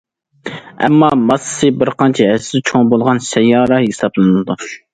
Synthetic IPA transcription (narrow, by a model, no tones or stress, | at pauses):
ɛ̰mːɑmɑsɨ̥sɨbɪɾqʰɑnt͡ʃʰɛæsɪd̪ɛt͡ʃʰoŋbolˠʁɑnsɛjːɑːɾɑɦesɑblˠɨnɨld̪u